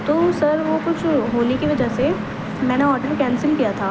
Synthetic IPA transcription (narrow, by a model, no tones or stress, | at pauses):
t̪oːsɐɾʋokʊt͡ʃʰɦoːnekiʋɐd͡ʒəɦse | mɛ̃ːneɔːʈəɾkɛːnsɪlkijat̪ʰaː